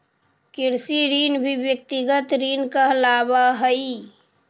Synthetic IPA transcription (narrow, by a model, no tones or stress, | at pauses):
kiɾsiɾinbʱibjək̚t̪iɡət̪ɾinkəɦlabaɦəi